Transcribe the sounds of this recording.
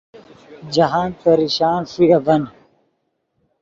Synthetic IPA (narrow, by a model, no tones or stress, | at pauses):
d͡ʑɐɦaːnt̪ɐɾiɕaːnʂiɐvɐn